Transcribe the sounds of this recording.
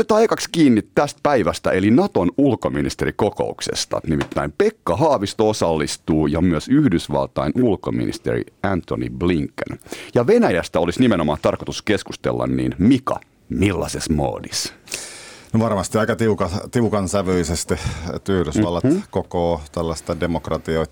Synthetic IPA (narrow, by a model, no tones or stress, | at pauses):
net̪ɑikɑkskiːnːit̪t̪æst̪̚pæiʋæst̪æ̰ʔelinɑt̪onulkominist̪eɾikoko̰uksḛst̪ɑ̰nimit̪ːæimpekːɑɦɑːʋist̪oosɑlːist̪uːjɑmyøsyhdysʋɑ̰lt̪ɑinulkomḭnḭst̪ḛrḭænt̪onḭbliŋkːø̰njɑʋenæjæst̪æo̞lisnimenomɑːnt̪ɑrkot̪uskeskust̪ḛlːɑ̰nnḭːnmikɑ̰ | milːɑ̰sesmo̰ːdis | noʋɑrmɑst̪iɑikɑt̪iukɑt̪iukɑnsæʋøisest̪it̪yhdysʋɑlːɑkokoːt̪ælːɑst̪ɑdemokrɑt̪ioit̪